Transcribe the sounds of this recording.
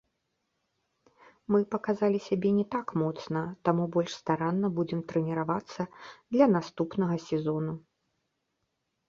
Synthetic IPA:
mɨpɐkazalʲisʲabʲɛnʲɛt̪akmɔt̪snɐt̪amubɔlʲʂst̪aɾanːɐbud͡zʲɛmt̪ɾɛnʲɛɾavat̪sːɐd̪lʲɐnast̪upnɐɣɐsʲɛzɔnu

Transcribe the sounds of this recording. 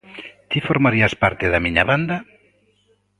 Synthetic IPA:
t̪ifoɾmaɾiaspaɾt̪ɪðamiɲaβand̪a

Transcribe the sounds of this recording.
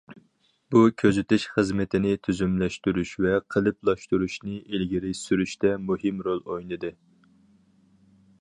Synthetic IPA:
bukʲʰøzyt̪ɪʃχəzmɪt̪ʰɪnɪt̪ʰyzymlɛʃt̪yɾyʃvɛqʰəlˠɨplˠɑʃt̪uɾuʃnɨʔelɡʲiɾɪsyɾyʃt̪ɛmuhɨmɾolˠojnɨd̪ɨ

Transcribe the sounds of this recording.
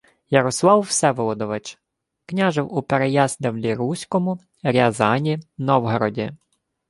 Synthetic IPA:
jɐɾɔslˠɑwːsɛʋɔlˠɔd̪ɔʋet͡ʃ | knʲaʒɪwupeɾejɑzd̪ʲɐwlʲiɾusʲkɔmʊ | ɾʲɐzɑnʲinɔwɦɔɾɔdʲḭ

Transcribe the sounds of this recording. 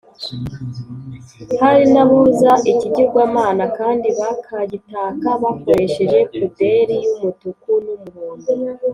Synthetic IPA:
haɾinaβuzaʔiciɟiɾɡwaːmaːnakaːndiβakʰaɟitaːkaβako̞ɾe̞ʃe̞ʒe̞kude̞ɾijumutukunumuɾuːŋɡu

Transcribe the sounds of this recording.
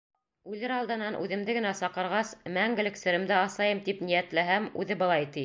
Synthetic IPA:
ʉlɘɾɑlˠd̪ɤ̆nɑnʔʉ̰ðɘ̆md̪ɘɡɘ̆næsɑqɤ̆ɾʁɑsmæŋɡɘ̆lɘ̆ksɘ̆ɾɘ̆md̪æɑslˠɑjɤmt̪ipnijæt̪læɦæmʉ̰ðɘbɤ̆lˠɑjt̪i

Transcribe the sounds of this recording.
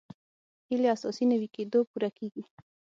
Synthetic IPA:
hileasɔ̰sinawiked̪opuɾakeɡi

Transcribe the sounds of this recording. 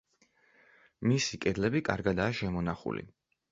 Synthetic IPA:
misikʼɛd̪lɛbikʼaɾɡad̪aːʃɛmɔnaχṵlḭ

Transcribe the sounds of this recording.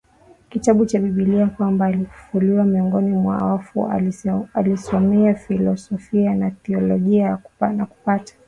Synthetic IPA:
kitaɓut͡ʃaɓiɓiliakwambaːlifu̥fuliwamiɔŋɡɔnimwa̰wafu | alisɔmɛafilɔsɔfianaθɛɔlɔʄianaku̥patḁ

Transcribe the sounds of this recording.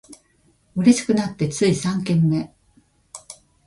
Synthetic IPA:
ɯ̟ɾe̞ɕi̥kɯ̟nat̪ːe̞t͡sɨisãŋkẽ̞mːe̞

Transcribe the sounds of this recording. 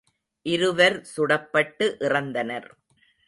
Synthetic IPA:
ʔɪɾɯʋɐɾsʊɽɐpːɐʈːɯʔɪrɐnd̪ɐnɐɾ

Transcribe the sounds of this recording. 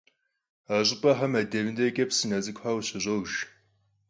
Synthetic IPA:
aɕʼɪpʼɐħɐmɐdɐvɨndɐkʼɐpsɨnɐzʼɨkʷħaːwɕɐʑʷowʒ

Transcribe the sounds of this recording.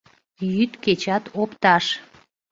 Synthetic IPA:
jyt̪ket͡ɕɑt̪opt̪ɑʃ

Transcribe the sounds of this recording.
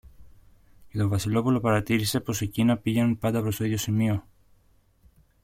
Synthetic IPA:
cet̪o̞vɐsilo̞pulo̞pɐɾɐt̪iɾise̞po̞secinɐpiʝe̞nunpɐnd̪ɐpɾo̞st̪o̞iðʝo̞simio̞

